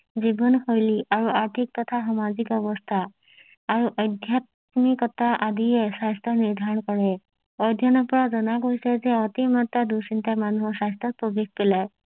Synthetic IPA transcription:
d͡ʒibɔnhojliʔaɾuaɾt̪ʰik̚t̪ɔt̪ʰasɔmad͡ʒikɔbɔst̪ʰaː | ɾuʔɔd̪ʱjat̪̚ | mikɔt̪aʔad̪ijesast̪ɔniɾd̪ʱaɾɔnkɔɾe | ɔjd̪ʱjɔnɔpɔɽad͡ʒɔnakɦojsazeat̪imat̪ːad̪usint̪amanuɦɔsast̪ɔpɔbik̚pela

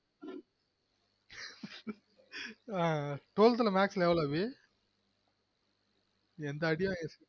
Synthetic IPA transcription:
aʈoːlt̪̬ɪlɐmaːksleːʋɐlɐbi | ɛnd̪ɐːɽɪjɐ̃es

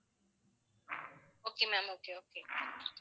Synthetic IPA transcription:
okemamokeoke

